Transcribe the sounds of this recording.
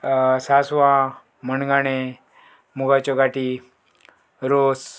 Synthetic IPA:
sasʋã | mənɡaɽ̃e | muɡat͡ɕɔɡaʈi | ɾos

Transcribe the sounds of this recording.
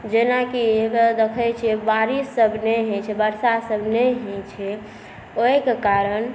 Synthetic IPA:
d͡ʒenakied̪ekʰəjt͡ʃʰiebaɾisːəbʱneɦɛ̃t͡ʃʰɛbəɾsasəbʱneɦɛ̃t͡ʃʰɛ | oekekaɾən

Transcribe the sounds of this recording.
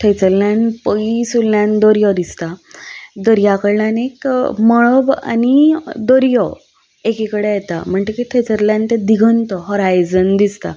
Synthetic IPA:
ʈ̪ʰət͡səɾljaɳpəɡisulːjand̪ɔɾjɔd̪ist̪ad̪əɾjakəɾlanekmɔɭəʋa̰nid̪ɔɾjɔ | ekikəɽejet̪a̰m̤əɳʈ̪ekit̪ʰet͡səɾljãnt̪ed̪iɡʱənt̪ɔɦɔɾajd͡zənd̪ist̪a̰

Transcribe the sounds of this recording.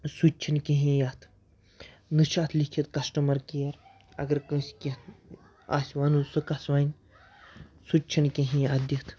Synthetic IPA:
sut͡ʃʰinkiɦĩjat̪ʰ | nɨt͡ʃʰaːt̪ʰlikʰit̪kɐsʈɐmɐɾkijɐɾ | ɐ̰ɡɐɾkə̃sʲkit̪ʰ | a̰ːsʲʋɐnusɨkɐsʋaːn | sut͡ʃʰinkĩɦĩad̪it̪ʰ

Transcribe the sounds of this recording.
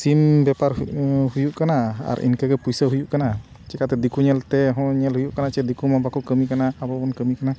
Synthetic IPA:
simbɛparɦujuʔkanaa̰ɾʔḭnkəkəpujsəɦujuʔkana | t͡ʃɛkat̪ɛd̪ikuɲɛlt̪ɛɦɔ̃ɲɛlɦujuʔkanat͡ʃɛd̪ikumabakukəmikanaːbabɔnkəmikana

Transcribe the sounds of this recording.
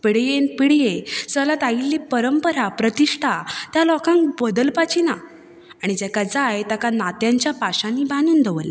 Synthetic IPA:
piɽjenpiɽjesəlat̪ailːipəɾəmpəɾapɾət̪iʂʈʰat̪jalɔkãŋkbəd̪əlpat͡ɕina | aɽ̃id͡ʑɛkad͡zajt̪akanat̪jaɲt͡ɕjapaɕãnːibanuːnd̪ʱəʋəlːa

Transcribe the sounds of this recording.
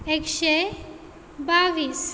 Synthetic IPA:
ekʃe | baʋiːs

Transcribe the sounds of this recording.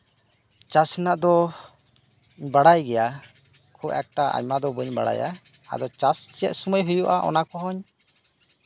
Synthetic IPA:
t͡ʃasnaʔd̪ɔ | ɲbaɽajɡɛja | kʰuʔɛk̚ʈaʔa̰ɲmad̪ɔbəɲba̰ɽa̰ja̰ | a̰d̪ɔt͡ʃast͡ʃijɛt̪̚suməjɦujɔʔaʔɔ̰nakɔɦɔɲ

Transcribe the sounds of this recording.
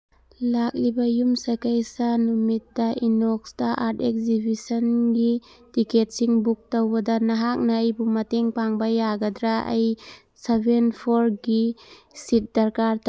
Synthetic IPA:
lak̚libɐjumsɐkajsɐnumit̚ːɐʔinoksdɐʔaɾtek̚zibisɐnɡitiket̚siŋbuk̚towbɐdɐnɐɦak̚nɐːjbumɐteŋpaŋbɐjaɡɐdɾaɐ̰j | sebʱenpʰoɾɡisit̚dɐɾkaɾta

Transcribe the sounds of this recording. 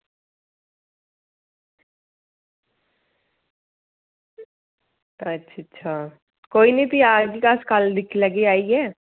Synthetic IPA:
ɐtːʃʰtːʃʰa | koːinebʱiaːɡikaskald̪ɪkʰlɐɡeaːiɦɛː

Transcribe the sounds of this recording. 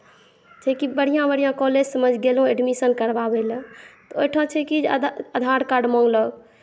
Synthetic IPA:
t͡ʃʰɛkibəɽ̤ijãbəɽ̤ijãkɔled͡ʒsəməd͡ʒʱɡelɦũeɖmisənkəɾbabelə̃t̪ojʈʰãt͡ʃʰɛkid͡ʒəd̪ʱaɾkaɾɖmɔ̃ŋɡləɡ

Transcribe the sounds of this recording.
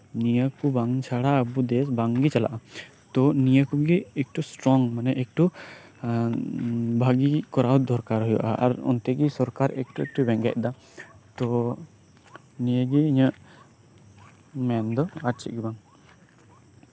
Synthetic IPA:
nijəkubaŋt͡ʃʰaɽaːbud̪ɛsbaŋɡit͡ʃala̰ʔa | t̪ɔnijəkuɡɛːk̚ʈusʈɾɔŋmanɛʔek̚ʈu | bʱaɡikɔɾawd̪ʱɔɾkaɾɦɔjɔ̰ʔa̰ʔa̰ɾɔ̰nt̪ɛɡisɔɾkaɾɛ̰k̚ʈuek̚ʈubɛŋɡɛ̰ʔ̚d̪a | t̪ɔ | nijəɡɛiɲəʔ | mɛnd̪ɔaɾ̚t͡ʃʰiʔ̚ɡɛbaŋ

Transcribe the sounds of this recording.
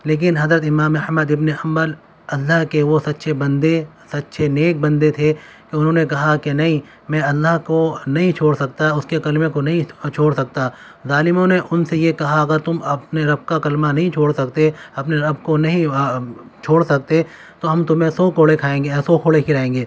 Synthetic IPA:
leːk̬ɪnɦɐzɾət̪ɪmaːmɐhməd̪ɪbneɐ̃mbəl | ɐlːaɦkeʋosɐt̪ːʃʰebɐ̃nd̪e | sɐt̪ːʃʰeneːk̚bɐ̃nd̪et̪ʰe | keʊnɦõnekɐɦakenɐɦĩ | mɛ̃ːɐlːaɦkonɐɦĩt͡ʃʰoːɽsɐk̚t̪aʊskekɐlmẽkonɐɦĩt͡ʃʰoːɽsɐk̚t̪a | zaːlɪmõneʔʊnsejekɐɦaɐɡəɾt̪ʊmɐpneɾɐb̚kakɐlmanɐɦĩt͡ʃʰoːɽsɐkt̪eɐpneɾɐbkonɐɦĩ | t͡ʃʰoːɽsɐk̚t̪e | t̪oɦɐmt̪ʊmẽsokoːɽekʰaːẽːŋɡesoːkʰoːɽekʰɪɾaẽːŋɡeː

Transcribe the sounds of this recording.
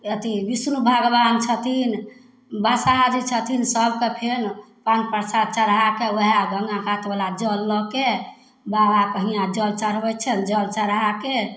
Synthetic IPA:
jət̪ibisnubʱaɡbant͡ʃʰət̪ʰin | basad͡ʒit͡ʃʰət̪ʰinsəbkepʰen | pãt͡ʃpəɾsad̪̚t͡ʃəɾɦakewəɦaɡʱəŋɡãkat̪balad͡ʒəlːɔke | babakəɦijãd͡ʒəlt͡ʃəɾbɛt͡ʃʰənd͡ʒəlt͡ʃəɾɦake

